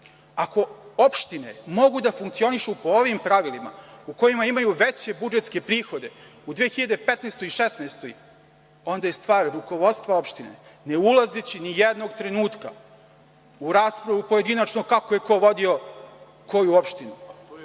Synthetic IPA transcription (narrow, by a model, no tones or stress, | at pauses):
ako̞opʃt̪ine̞̰mo̞ɡud̪afuŋkt̪sio̞niʃupo̞oʋimpɾaʋilima̰uko̞jimaimajuʋet͡ɕe̞bud͡ʒet̪ske̞pɾiːxo̞d̪e̞ | ud̪ʋijexiʎad̪epet̪neːst̪oiʃesnast̪oj | o̞nd̪ajest̪ʋaːɾɾuko̞ʋo̞t̪st̪ʋao̞pʃt̪inḛne̞ulˠazet͡ɕinijed̪no̞ɡt̪ɾe̞nuːt̪ka̰ | uɾaːspɾaʋupoje̞d̪inat͡ʃnokakoje̞ko̞ʋo̞d̪io̞ | ko̞juopʃt̪inu